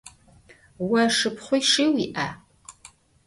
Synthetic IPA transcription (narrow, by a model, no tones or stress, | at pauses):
waʂɨpʰχʷʊjʂiwiʔa